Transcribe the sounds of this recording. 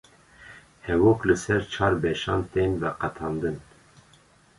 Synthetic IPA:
hɛwoːklɨsɛɾt͡ʃʰɑːɾbɛʃɑːnt̪eːnvɛqɑt̪ʰɑːnd̪ɨn

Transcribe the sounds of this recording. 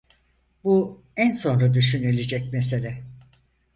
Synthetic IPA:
bu | ænso̞nɾad̪yʃynilʲid͡ʒɛc̚mes̬e̞lʲɛ

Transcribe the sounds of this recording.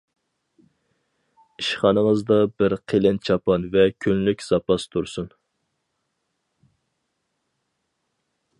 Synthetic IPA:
iʃχɑnəŋəzd̪ɑbɪɾqʰelɪnt͡ʃʰɑpɑnvɛkʲʰønlykʲz̥ɑpɑst̪ʰuɾsun

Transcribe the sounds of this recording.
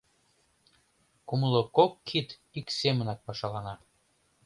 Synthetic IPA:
kuməlokokʰːit̪ | iksemənɑk̚pɑʃɑlɑnɑ

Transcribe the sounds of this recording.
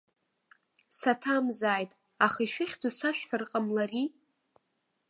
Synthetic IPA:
satʰamzaːjtʼ | aχiʃᶣɪχʲd͡zusaʃᶣħarqʼamlari

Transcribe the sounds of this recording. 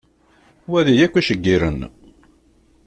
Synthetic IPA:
wæðijækʷːæʃəɡːiɾə̰n

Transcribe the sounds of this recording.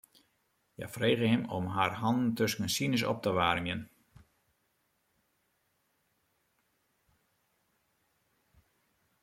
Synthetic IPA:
ja̰freːɣəɦɛmɔ̰mɦaːrhɑnn̩tøskənsinɪs̬ɔ̰p̚təʋaːrmjən

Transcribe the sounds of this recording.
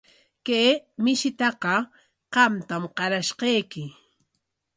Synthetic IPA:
keːmɪʃɪt̪ɑqɑ | qɑmt̪amqɑɾaʃqɑjkɪ

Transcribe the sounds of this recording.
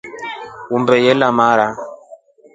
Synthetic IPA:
umbɛjɛlamaɾa

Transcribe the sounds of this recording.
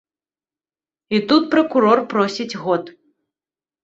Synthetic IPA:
it̪ut̪̚pɾɐkuɾɔrpɾɔsʲid͡zʲɣɔt̪

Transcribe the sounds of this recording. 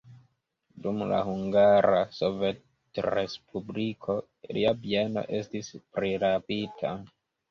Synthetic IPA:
dumla̰huŋɡaɾaso̞vet | re̞spublikʰo̞ | liabieno̞̰ʔe̞stispɾiɾapitʰa

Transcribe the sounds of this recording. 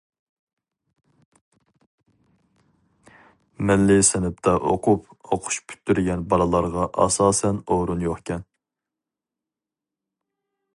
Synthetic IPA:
mɛlːɪsɛnɪp̚t̪ʰɑʔo̰qʰʊp | oqʰʊ̥ʃpʰy̥t̪ːyɾɡʲɛnbɑlˠɨlˠɑɾʁɑʔɑ̰sɑːsɛnoɾunjoχkʲɛn

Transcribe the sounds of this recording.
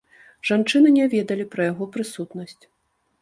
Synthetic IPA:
ʐ̥ant͡ʂɨnɨnʲɛvʲɛd̪ɐlʲipɾɐjaɣɔpɾɨsut̪nɐsʲt͡sʲ

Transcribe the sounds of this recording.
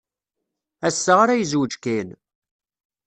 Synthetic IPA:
æsːəʁaɾæjəzwəd͡ʒkin

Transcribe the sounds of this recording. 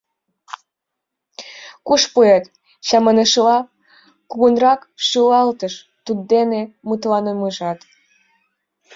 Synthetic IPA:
kuʃpujet̪ | ɕɑmənəʃəlɑ | kuɣunrɑkʃylɑlt̪əʃ | t̪ud̪̚d̪enemut̪lɑnəməʒɑt̪

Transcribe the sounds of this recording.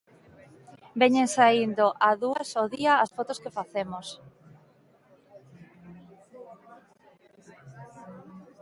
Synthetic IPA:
beɲeŋsaind̪oʔaðuɐsoðiɐːsfot̪ʊskefaθemos

